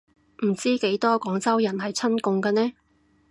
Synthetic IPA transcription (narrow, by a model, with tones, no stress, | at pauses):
m̩˨˩t͡siː˥ke˨˥jt̪ɔː˥kɔː˨˥ŋt͡sɐ˥wjɐ˨˩nɦɐ˨jt͡sʰɐ˥nkʊ˨˧ŋkɐː˧nɛː˥